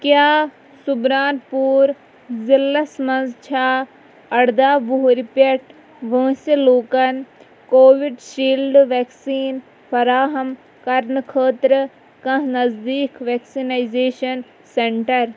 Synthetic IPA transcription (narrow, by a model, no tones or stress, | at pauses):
kjaː | subɾaːnpuːɾ | zɪlːɐsmɐ̃nzt͡ʃʰaː | ɐɽd̪aːbuɦɾipɐʈ | ʋə̃ːseloːkɐn | koːʋɪɖʃiːlɖʋeːksiːn | fɐɾaːɦɐm | kɐɾnkʰəːt̪ɾə | kɐ̃ɦnɐzd̪iːkʋeːksinaːizeːʃɐn | seɳʈɐɾ